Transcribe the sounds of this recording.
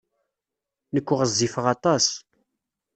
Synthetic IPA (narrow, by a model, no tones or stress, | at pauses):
nəkʷːʊʁəzːifəʁɑt̪ˤɑs